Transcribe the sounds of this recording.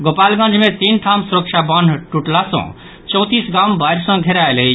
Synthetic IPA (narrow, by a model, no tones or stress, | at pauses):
ɡopalɡə̃d͡ʒmẽt̪inʈʰamsuɾəkt͡ʃʰabʌnɖʱʈuʈlasɔ̰̃ | t͡ʃɔ̃w̃t̪isɡambajɾsʌ̃ɡʱeɾaelei